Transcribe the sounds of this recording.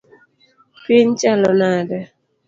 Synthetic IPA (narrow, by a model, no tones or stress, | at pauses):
pint͡ʃɛlɔnadɛ